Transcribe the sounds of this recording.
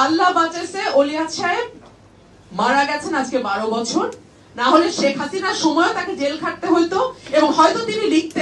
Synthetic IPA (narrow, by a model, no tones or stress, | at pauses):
alːabãt͡ɕeɾseolijat̪ʃaeb̚ | maɾaɡɛt͡ɕʰenad͡ʑkebaɽobɔt͡ɕʰoɾ | naɦoleʃekʰɦasinaɾʃɔmɔeot̪aked͡ʑelkʰaʈ̚t̪eɦojt̪oeboŋɦɔjt̪ot̪inilik̚t̪e